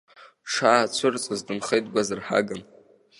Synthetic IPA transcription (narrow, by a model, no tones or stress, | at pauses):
ʂaːt͡sʷʰʊrt͡sʼɨzdɨnχejtʼɡʷazɨrħa̰ɡɨn